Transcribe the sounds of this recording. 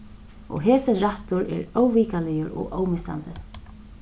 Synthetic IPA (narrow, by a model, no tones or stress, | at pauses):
ɔ̰ɣɦɛːsɪnɾaht̪ʊɾɛ̰ɾoːwviːkalɪjʊɾɔ̰ɣʔoːwmɪsa̰nt̪ɪ